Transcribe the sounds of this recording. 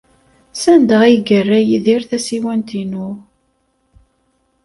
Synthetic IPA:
sænd̪əʁiɡərːæjðiɾθæsiwænt̪inu

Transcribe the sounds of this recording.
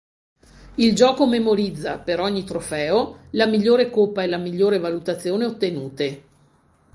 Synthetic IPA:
ild͡ʒɔːkomemoɾid̪zːapeɾɔɲːit̪ɾofɛːolamiʎːoːɾekopːaelamiʎːoːɾevalut̪at̪sːjoːneot̪ːenuːt̪e

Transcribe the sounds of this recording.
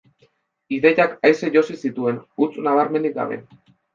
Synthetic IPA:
iðe̞jakajseʝo̞sisit̪ue̞nut͡snaβ̞aɾme̞nd̪ik̚ɡa̰βe̞̰n

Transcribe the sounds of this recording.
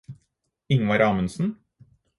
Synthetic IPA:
ɪŋʋɑɾɑːmənsn̩

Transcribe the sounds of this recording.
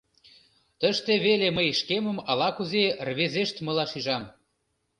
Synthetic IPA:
t̪ə̆ʃt̪eβeleməjʃkemə̆mɑlɑkuzerβezeʃt̪mə̆lɑʃiʒɑm

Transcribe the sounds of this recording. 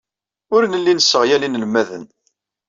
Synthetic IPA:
ʊɾnəlːinəsːəʁjælinəlmːæðə̰n

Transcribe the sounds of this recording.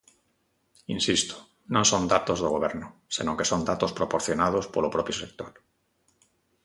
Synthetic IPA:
ḭnsist̪o̥ | nõnsond̪at̪ozðoɣ̞oβeɾnosenõŋkesond̪at̪ospɾopoɾθjonað̞ospolopɾopjosek̚t̪oɾ

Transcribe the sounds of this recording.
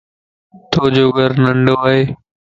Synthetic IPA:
t̪ʰoːd͡ʑoːɡəɾnəɳɖoːaɦeː

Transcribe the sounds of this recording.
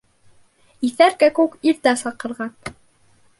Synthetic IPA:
iθæɾkækʉkilt̪æsɑqɤ̆ɾʁɑn

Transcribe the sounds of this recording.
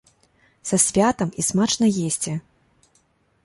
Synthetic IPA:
sɐsʲvʲat̪ɐmismat͡ʂnɐjesʲt͡sʲɛ

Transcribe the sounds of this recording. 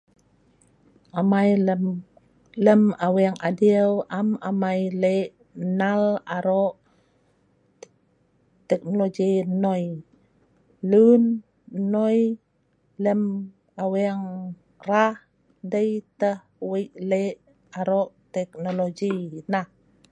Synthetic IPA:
amaj | ləmaweaŋʔadiəwʔamamajleʔ | nalaɾoʔ | t̪ɛk̚noloɡinoj | lun | nːoj | ləm | aweaŋ | rah | dəjt̪əh | wəjʔleʔ | aɾoʔt̪ɛk̚noloɡinah

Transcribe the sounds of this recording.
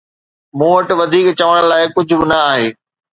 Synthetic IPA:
mũːʋɐʈʋɐd̪ʱiːkt͡ɕɐʋəɽə̃ɽ̃̆laːɪkʊd͡ʑʱʊ̆bɪnɐaːɦeː

